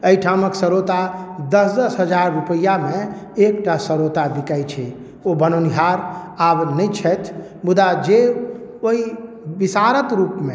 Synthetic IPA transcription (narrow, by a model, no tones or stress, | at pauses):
əiʈʰaməksəɾot̪ad̪əsd̪əsɦəd͡ʒaɾːupəjːameekʈasəɾot̪abikajt͡ʃʰɛ | obənoniɦaɾ | abnəjt͡ʃʰɛt̪ʰ | bud̪ad͡ʒe | oi | bisaɾət̪ɾupme